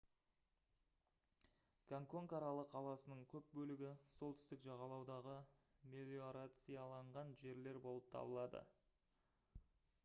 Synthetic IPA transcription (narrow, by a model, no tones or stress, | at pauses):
ɡ̥aŋko̞ŋkɑɾɑlˠəqʰɑlˠɑsənəɴkʲʰɵp̚bɵlɪɡʲɪso̞lˠt̪ɪst̪ɪkʒɑʁɑlˠɑwd̪ɑʁəmʲelʲioɾat̪sijɑlˠɑɴʁɑnʒe̞ɾle̞ɾbo̞lˠəp̚t̪ʰɑ̰bəlˠɑd̪ə̰